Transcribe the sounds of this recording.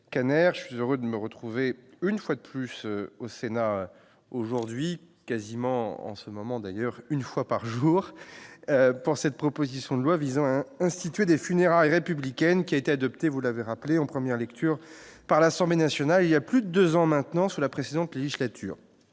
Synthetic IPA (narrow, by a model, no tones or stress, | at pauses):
kanɛʁʒəsɥizøʁød̪əməʁət̪χuveynfwad̪əplysøosenaø | oʒuʁd̪ɥi | kazimɑ̃ɑ̰̃səmɔmɑ̃d̪ajœʁynfwapaʁʒuːʁøpuʁsɛt̪̚pχɔpozisjɔ̃d̪əlwavizɑ̃aɛ̃st̪it̪ɥed̪efyneʁaʁjʁepyblikʲɛnkʲiaet̪ead̪ɔpt̪evulaveʁapleɑ̃pχəmjɛʁlɛk̚t̪ʰyʁpaʁlasɑ̃blenasjɔnaliljaplyd̪əd̪øzɑ̃mɛ̃t̪nɑ̃sulapχesed̪ɑ̃t̪leʒislat̪ʰy̰ːʁ